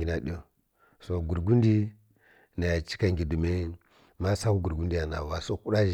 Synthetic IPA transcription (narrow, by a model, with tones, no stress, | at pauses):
ɡi˨na˨ɗi˦o˦ | so˨ɡu˨ɾɡu˦ndi˦ | na˨ja˨t͡ʃi̥˦ka˨ŋɡʲi˨du˨me˦ | ma˦sa˦wu˦ɡu˨ɾɡu˦ndi˦ja˨na˨wa˨so˨ku˦ɗa˦